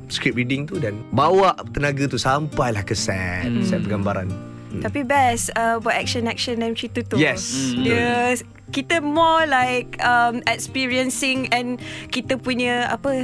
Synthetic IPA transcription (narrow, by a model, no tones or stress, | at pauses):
skɾip̚ɾidiŋt̪udanbawaʔt̪ənaɡat̪usampajlahkəsɛ̰t̪̚sɛpəɡambaɾa̰n̩ | t̪apibɛsəbɔʔɛk̚ʃə̃nɛk̚ʃə̃nãmt͡ʃit̪ut̪ujɛsə | kit̪əmɔlaɪk̚amɛkspiɹiə̃nsɪ̃ŋɛ̃nkit̪əpuɲəa̰pə